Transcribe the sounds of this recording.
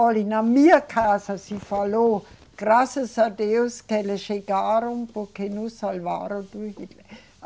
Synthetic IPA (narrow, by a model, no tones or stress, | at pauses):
ɔlinamiəkʰaːsɐsifalo | ɡ̥rasəsadeʊskɛleʃeɡaːɾompokʰenusalʋa̰ːɾod̪uhitl